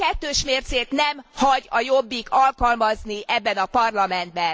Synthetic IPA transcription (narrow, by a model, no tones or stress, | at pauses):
kɛt̪ːøːʃmeːrt̪seːkn̪ɛmhɒɟɒjo̞bːikʰɒlkɒlmɒzniʔɛbːɛnɒpɒrlɒmɛnd̪̚bɛn